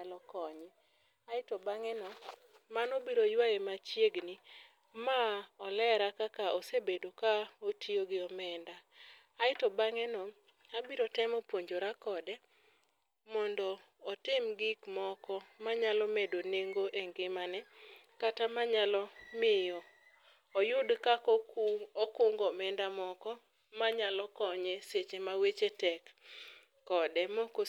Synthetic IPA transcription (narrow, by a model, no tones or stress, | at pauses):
alɔkɔɲɪ | aɪtɔbaŋɛnɔ | manɔbiɾojwajemat͡ʃjeɡni | maɔlɛɾakakaɔsebedokaotioɡɪɔmɛndaː | ɪtɔbaŋɛnɔ | abiɾɔtɛmɔpwoɲd͡ʒoɾakɔdɛ | mɔndɔː | tɪmɡikmɔkɔmaɲalɔmedoneŋɡoʔeŋɡɪmanɛ | katamaɲalɔmɪjɔː | jʊdkak | ɔkʊŋɡɔmɛndamɔkɔ | maɲalɔkɔɲeset͡ʃemawet͡ʃetɛkː | ɔdɛmɔko